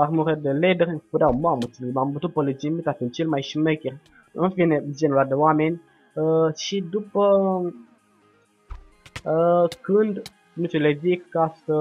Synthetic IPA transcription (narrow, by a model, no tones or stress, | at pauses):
armuɾed̪eled̪eɾʲpud̪ʲawmamut͡ssilemambət̪ut̪̚polid͡ʒimit̪at̪int͡ʃelmajʃimekʲerʲ | ɨnfined͡ʒenulad̪ewamenʲ | ʃid̪upə | kɨnd̪ | nuselevikkːasə